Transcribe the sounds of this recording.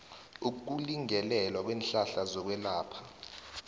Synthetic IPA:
uk̬uliŋɛlɛlwak̬weːnɬaɬazɔk̬wɛlaːpʰḁ

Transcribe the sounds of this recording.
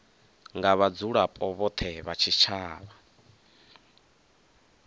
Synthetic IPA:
ŋɡaβad͡zuɺapʼɔβɔt̪ʰɛβat͡ʃʰit͡ʃʰaːβa

